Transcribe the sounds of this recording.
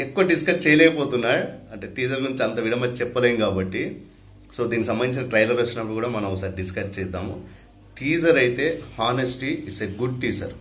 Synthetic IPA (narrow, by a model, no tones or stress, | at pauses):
ekːuʋɐɖiskɐɾʈt͡ʃɛːjɐlɛːkɐpo̞ːt̪unːaːɾuɐɳʈeːʈiːd͡ʒɐɾɡuɾuɲt͡ʃɐnt̪ɐʋiɽʱɐmɐt͡ʃɛpːɐleːjinkaːbɐʈːi | so̞ːd̪iːnːisɐmbɐnd̪iɲt͡ʃinɐʈɾɐjlɐɾost͡ʃːinɐpːɐɽukuːɽaːmɐnɐmɔkːɐsaːɾiɖiskɐʈ̚t͡ʃɛːjt̪aːmu | ʈʰiːd͡ʒɐɾɐjt̪e̞ːaːnesʈiiʈseɡuɖ̚ʈiːd͡ʒɐɾ